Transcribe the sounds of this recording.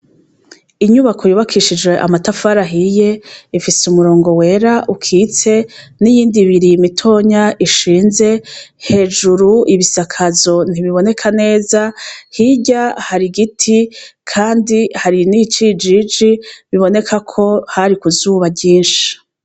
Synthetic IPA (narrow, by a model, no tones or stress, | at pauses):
iɲuβakʰo̞juːβakʰiʃid͡ʒwe̞ʔa̰matafaɾaɦije̞ifisumuɾo̞ːŋɡo̞we̞ɾaʔukʰit͡se̞nijiːndiβiɾimitʰo̞ːɲaʔiʃiːnze̞he̞ːd͡ʒuɾuiβisakʰazo̞n̥iβiβo̞ne̞kʰane̞ːzahiɟahaɾiɡitʰikʰaːndihaɾinit͡ʃid͡ʒid͡ʒiβiβo̞ne̞kʰakʰo̞haɾikuzuːβaɟiːnʃi̥